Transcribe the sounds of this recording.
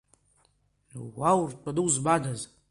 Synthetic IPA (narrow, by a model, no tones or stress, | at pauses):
wawrtʼaduwzbadaz